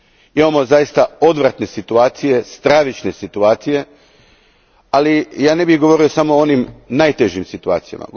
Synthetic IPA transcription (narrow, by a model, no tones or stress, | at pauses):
imamo̞zajist̪ao̞d̪ʋɾat̪ne̞sit̪uaːt̪sije̞st̪ɾaʋit͡ʃne̞sit̪uaːt̪sije̞ | alijaːne̞biɣɡo̞ʋo̞ɾio̞samo̞onimnajt̪eʒimsit̪ua̰ːt̪sija̰ma̰